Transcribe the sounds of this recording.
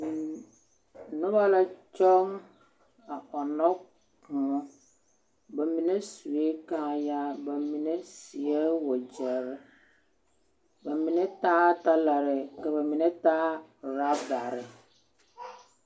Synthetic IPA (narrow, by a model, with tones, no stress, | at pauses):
nʊ˦ba˦la˦t͡ʃɔ˦ŋ | a˨ɔ˨nɔ˦ | kʊ˨˦ | ba˨mĩ˨ne˦su˨e˦kã˦ja˦ba˨mi˨ne˦si˨e˦wɔ˨d͡ʒɛ˨ɾɪ˦ | ba˨mĩ˨nẽ˦taː˦ta˦la˨ɾɪ˨kɛ˨ba˨mi˨nɛ˦taː˦˨ɾa˦ba˨ɾɪ˨